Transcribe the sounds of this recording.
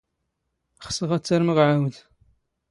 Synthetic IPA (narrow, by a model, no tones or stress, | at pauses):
χsəʁæt͡sːaɾməʁʕawð